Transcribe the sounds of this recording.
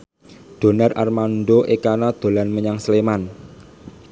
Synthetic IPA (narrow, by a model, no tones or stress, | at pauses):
ɖ̪̥o̤narʔa̰rmanɖoʔekanad̪̥o̤lanməɲaŋsleman